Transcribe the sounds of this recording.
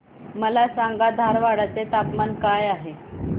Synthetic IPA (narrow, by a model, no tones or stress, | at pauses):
məlasaŋɡad̪ʱaɾʋaɽat͡set̪at̪mankajaɦe